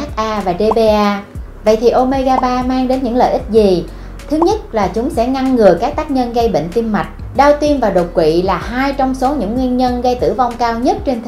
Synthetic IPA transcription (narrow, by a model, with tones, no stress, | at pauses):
a˦˥k̚ʔaː˧vaː˨˩ɗe˧ɓe˧ʔaː˧ | və̰˧˨jt̪ʰi˨˩ʔo˧me˧ɣaː˧ɓaː˧maː˧ŋɗe˨˦nɲɨ̰˧˥ŋlə̰ː˧˨ʔï˦˥k̚zi˨˩ | t̪ʰɨ˨˦ɲə˦˥t̚laː˨˩t͡ɕʊ˨˦ŋ͡msɛ̰˧˥ŋa˧ŋːɨ˨˩əkaː˦˥k̚t̪aː˦˥k̚ɲə˧nɣə˧jɓḛ˧˨ŋ̟t̪i˧mma˨˩jk̟̚ | ɗaː˧wt̪i˧mvaː˨˩ɗo˨˩t̚kwḭ˧˨laː˨˩haː˧jt͡ɕɔ˧wŋ͡mso˨˦ɲɨ̰˧˥ŋːwi˧ənɲə˧nɣə˧jt̪ɨ̰˧˩va˧wŋ͡mkaː˧wɲə˦˥t̚t͡ɕe˧nt̪ʰ